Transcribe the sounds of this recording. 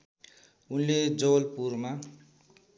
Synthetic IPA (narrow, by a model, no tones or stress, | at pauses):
unled͡zolpurma